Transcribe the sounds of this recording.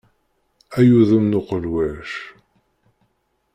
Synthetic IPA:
æjuðəmnʊqəlwæʃ

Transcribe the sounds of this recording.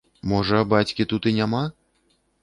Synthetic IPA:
mɔʐɐbat͡sʲkʲit̪ut̪inʲama

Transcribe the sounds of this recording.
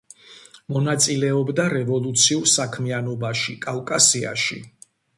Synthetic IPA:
mɔnat̪sʼilɛɔbd̪aɾɛvɔlˠut̪sʰiuɾsakʰmianɔbaʃikʼalkʼasia̰ʃḭ

